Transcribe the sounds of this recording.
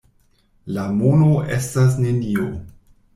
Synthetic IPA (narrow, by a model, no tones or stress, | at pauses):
lamonoʔestas̬nenio